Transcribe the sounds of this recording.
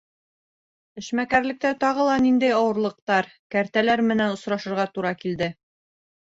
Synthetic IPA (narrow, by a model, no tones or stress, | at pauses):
ɘ̆ʃmækæɾlɘ̆k̚t̪æt̪ɒʁɤ̆lˠɑnind̪æjɒwɤ̆ɾlˠɤ̆q̚t̪ɑɾkæɾt̪ælæɾmɘ̆nænŏsɾɑʃɤ̆ɾʁɑt̪uɾɑkild̪ɘ